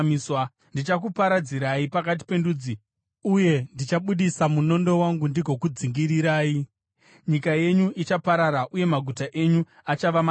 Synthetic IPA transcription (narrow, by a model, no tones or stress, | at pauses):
miswa | ndit͡ʃak̬upaɾad͡ziɾaipakat̬i̥pe̞nduːd͡zi | uje̞ndit͡ʃaɓuɗisamuno̞ndo̞waŋɡundiɡʱo̞kud͡ziŋɡiɾiɾaːi | ɲikaje̞ɲuit͡ʃapaɾaɾaʔuje̞maɡʱutaʔe̞ɲu | at͡ʃaʋam